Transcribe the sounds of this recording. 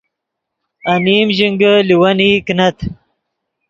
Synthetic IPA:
ɐniːmʑiŋɡəliwaniknɐt̪ʰ

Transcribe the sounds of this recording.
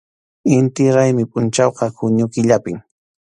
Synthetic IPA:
ɪnt̪ɪɾajmɪpʼʊnt͡ʃɑwqɑkʊɲʊkɪʎapɪŋ

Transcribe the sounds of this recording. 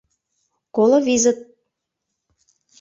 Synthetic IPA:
kolovizə̆t̪̚

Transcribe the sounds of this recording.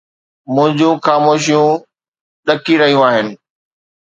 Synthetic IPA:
mʊ̃ɦɪ̃ɲd͡ʑũxaːmoːʃ̬ijũ | ɗɐkiɾɐɦijũaːɦɪnɪ̆

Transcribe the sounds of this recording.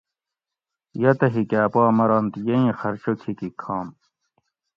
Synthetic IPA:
jɐt̪ɐɦikaːpaːmɐɾɐnt̪jeĩxɐɾt͡ɕokʰikikʰaːm

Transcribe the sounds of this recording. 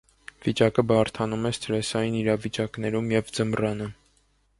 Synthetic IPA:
vit͡ʃɑkəbɑɾt̪ʰɑnumɛst̪əɾɛsɑjiniɾɑvit͡ʃɑknɛɾumjɛvd͡zəmrɑnə

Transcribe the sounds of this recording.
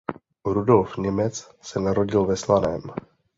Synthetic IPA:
ɾudo̞lfɲɛmɛt͡s | sɛnaɾo̞ɟɪlvɛslanɛːm

